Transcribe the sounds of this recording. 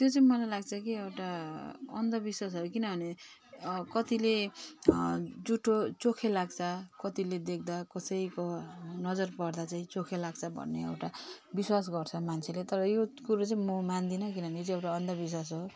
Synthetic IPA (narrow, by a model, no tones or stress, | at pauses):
t̪jot͡saĩmʌlajlaɡt͡sʰʌkiewʈaʌ̰nd̪ʌbiswas̬ɦʌjukinʌbʱʌne | kʌt̪ile | d͡zuʈʰot͡sokʰelaɡt͡sʰʌkʌt̪iled̪ek̚ʰd̪akʌsʌjikonʌd͡zʌrpʌrd̪at͡saĩt͡sokʰelaɡt͡sʰʌbʱʌ̰nːeḛwʈa | biswas̬ɡʌrt͡sʰʌmant͡sʰelet̪ʌɾʌjokuɾot͡saĩmomand̪inʌk̬inʌbʱʌnejot͡siewʈaʌnd̪ʌbis̬was̬ɦo